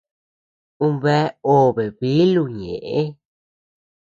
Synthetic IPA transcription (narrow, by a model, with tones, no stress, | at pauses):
ũ˦βe˦o˦βe˨βi˦lu˧˨ɲḛ̃˨ʔe˦